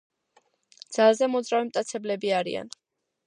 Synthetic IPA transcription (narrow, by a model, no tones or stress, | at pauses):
d̪z̥alˠzɛmɔd̪zɾavimt̪ʼat̪sʰɛblɛbiaɾḭa̰n